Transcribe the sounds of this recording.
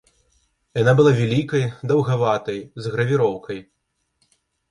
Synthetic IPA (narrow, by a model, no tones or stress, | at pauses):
janabɨlˠavʲalʲikɐjd̪ɐwɣavat̪ɐjzɣɾɐvʲiɾɔwkʰɐj